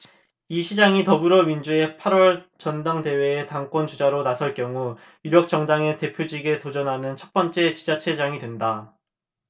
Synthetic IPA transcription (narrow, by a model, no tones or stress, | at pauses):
iɕʰid͡ʑaŋitʌbɯɾʌmind͡ʑue̞pʰaɾwʌɭt͡ɕʌndaŋde̞we̞ːtaŋk͈wʌnt͡ɕud͡ʑaɾonasʰʌɭk͈jʌŋu | juɾjʌk̚t͡ɕ͈ʌŋdaŋe̞te̞pʰjod͡ʑiɡe̞tod͡ʑʌnɦanɯnt͡ɕʰʌt̚p͈ʌnt͡ɕ͈e̞t͡ɕi̥d͡ʑat͡ɕʰe̞d͡ʑaŋidwe̞nda